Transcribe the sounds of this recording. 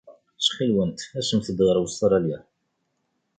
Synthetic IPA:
sχilwənt̪æsəmθəd̪ʁəɾˤwəst̪ɾˤɑljæ

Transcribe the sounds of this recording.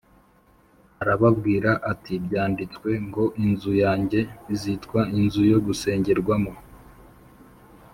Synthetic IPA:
aɾaβabɡiːɾaʔatʰibɟaːndit͡skwe̞ŋɡo̞ʔinzujaːɲɟe̞izitkwainzujo̞ɡuse̞ːɲɟe̞ɾɡwamo

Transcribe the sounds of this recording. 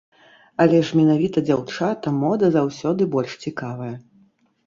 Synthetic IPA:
ɐlʲɛʂmʲɛnavʲit̪ɐd͡zʲawt͡ʂat̪ɐmɔd̪ɐzawsʲɔd̪ɨbɔlʲʂt͡sʲikavɐjɐ

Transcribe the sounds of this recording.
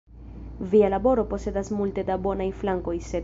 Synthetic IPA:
vialabo̞ɾo̞po̞se̞dasmulte̞dabo̞najflaŋko̞jse̞

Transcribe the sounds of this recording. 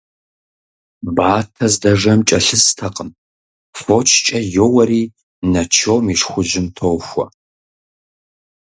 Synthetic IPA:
baːtʰɐzdɐʐɐmt͡ʃʼɐɬɨstʰɐqʼəm | fot͡ʃʰt͡ʃʼɐjowɐɾiː | nɐt͡ʃʰoːmiʂχʷʊʒɪmtʰowxʷɐ̰

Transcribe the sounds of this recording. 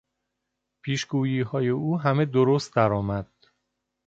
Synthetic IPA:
pʰiːʃɡuːjiːɦɒːje̞uːɦæme̞d̪oɾost̪̚d̪æɾɒːmæd̪̥

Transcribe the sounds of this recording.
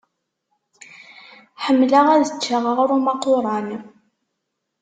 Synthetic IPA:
ħəmːlaʁæðət͡ʃːaʁəʁɾumɑqoɾˤɑn

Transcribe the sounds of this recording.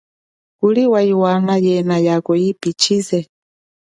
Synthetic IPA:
kuliwaiwanajɛnajakɔipit͡ʃʰizɛ

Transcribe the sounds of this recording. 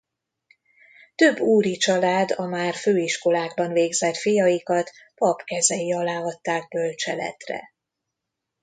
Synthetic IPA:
t̪øbːuːɾit͡ʃɒlaːd̪ɒmaːrføːiʃko̞laːɡbɒnveːɡzɛt̪fijɒjikɒt̪ | pɒpkɛzɛjiɒlaːɦɒt̪ːaːɡ̚bølt͡ʃɛlɛ̰t̪rɛ̰

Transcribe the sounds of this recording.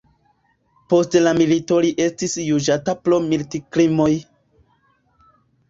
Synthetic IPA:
po̞stlamilito̞liʔe̞stisjud͡ʒataplo̞miltiklimo̞j

